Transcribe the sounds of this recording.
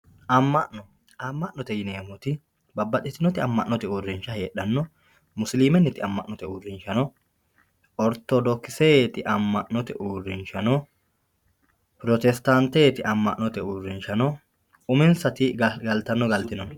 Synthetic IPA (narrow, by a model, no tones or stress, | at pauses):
ʔɐmːɐʔnɔ | ɐmːɐʔnːɔt̪ɛjɪneːmɔt̪ɪ | bɐbːɐtːɪt̪ːɪnːɔt̪ɪɐmːɐʔnːɔt̪ɛuːrːɪnʃɐheːᶑɐnːɔ | mʊsliːmɛnːɪt̪ɪɐmːɐʔnɔt̪ɛuːrɪnʃɐnɔ | ɔɾt̪ɔd̪ɔkːɪset̪ɪʔɐmːɐʔnɔt̪ɛ̰ʔuːrːɪnʃɐnɔ | pɾɔt̪ɛst̪ant̪eːt̪ɪʔɐmːɐʔnɔt̪ɛuːrːɪnʃɐnɔ | ʊmɪnsɐt̪ɪɡɐlt̪ɐnːɔɡɐlt̪ɪnɔn